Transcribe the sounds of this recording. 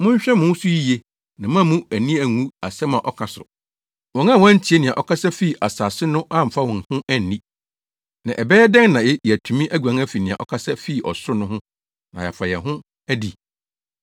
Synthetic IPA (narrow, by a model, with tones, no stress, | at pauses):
mʊ̃˦ɲ˦ɕᶣɛ˦mʊ̃˦sʊ˦ji˦je˦ | nã˨mã˦mũ˦æ˨nĩ˦æ˨ŋũ˦a˨sɛ˦mã˨ʔɔ˦kʰa˨sʊ̰˨ | wɔ̃˨ŋã˦˨wɔ̃˦n̩˦tʰi˨e˦nɪ̃˨ã˨ʔɔ˦kʰa˦sɛ˦fi˦˨ʔa˨saː˨sɪ˦nʊ̃˦ʔã˦m̩˨fa˦wɔ̃˨n˨hʊ̃˦ʔæ˦n˨nĩ˦ | nã˨ʔɛ˨bɛː˦jɛ˦dɛ̃˦ŋnã˨jɛ˦jɛ˨æ˨tʰu˨mĩ˦ʔæ˦ɡɥã˨ŋ˦æ˦fi˨nɪ̃˨ã̰˨ʔɔ̰˦kʰa˦sɛ˦fi˦˨ʔɔ˨sʊ˦nʊ̃˦hʊ̃˦ | nã˨jɛ̰˨fa˨jɛ̰˨ɦʊ̃˦ | æ˦dḭ˨